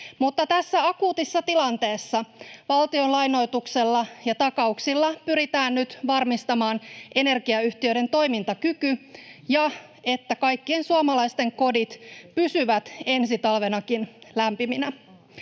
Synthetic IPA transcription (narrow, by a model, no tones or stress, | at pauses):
mut̪ːɑt̪æsːæɑkuːt̪isːɑt̪ilɑnt̪e̞ːsːɑʋɑlt̪io̞nlɑjno̞jt̪ukse̞lːɑjɑt̪ɑkɑuksilːɑpyɾit̪æːnnyt̪ʋɑrmist̪ɑmɑːnʔe̞ne̞rkiɑyht̪iødɾe̞nt̪o̞jmint̪ɑkykyjɑ | e̞t̪ːækɑjkːie̞nsuɑmɑlɑist̪e̞ŋko̞dit̪pysyʋæt̪e̞nsit̪ɑlʋe̞nɑkinlæmpiminæ